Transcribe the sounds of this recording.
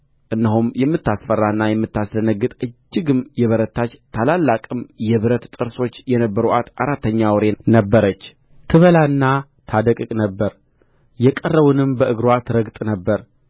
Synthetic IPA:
ʔɨnːəɦumjɛmːɨt̪ːasfərːaɨnːajɛmːɨt̪ːaslənəɡːɨt̪ʼɨd͡ʒːɪɡɨmjɛβəɾət̪ʰːat͡ʃt̪ʰalalːakʼɨmjɛβɨɾət̪t̪ʼɨɾso̞t͡ʃːjɛnəbːəɾuʔat̪ʔaɾat̪ʰːəɲːawɔɾenəbːəɾət͡ʃː | t̪ʰɨβəlanːa | t̪ʰad̪əkʼɨkʼnəbːəɾ | jɛkʼərːəβunɨmbəʔɨɡɾwat̪ʰɨɾəɡt̪ʼnəbːəɾ

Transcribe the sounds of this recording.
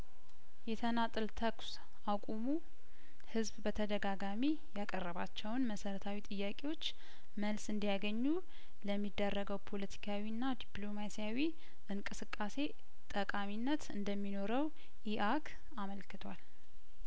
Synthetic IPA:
jɛt̪ʰənat̪ʼɨlt̪ʰəks | ʔakʼumu | hɨzbbət̪ʰəd̪əɡaɡami | jakʼərːəβa̰t͡ʃːɛwnməsəɾət̪ʰawit̪ʼɨjːakʼe̞wo̞t͡ʃː | məlsɨnd̪ijaɡəɲːu | ləmːid̪ːərːəɡəwpʰo̞lət̪ʰi̥kʰawinːad̪iplo̞masijawi | ʔɨŋkʼɨsɨkʼːase̞ | t̪ʼəkʼaminːət̪ɨnd̪əmːino̞ɾəw | ʔiʔak | aməlkɨt̪ʰwal

